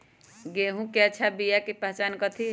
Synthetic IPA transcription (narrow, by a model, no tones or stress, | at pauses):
ɡeɦũkɛt͡ʃʰabijakipəɦt͡ʃankət̪ʰi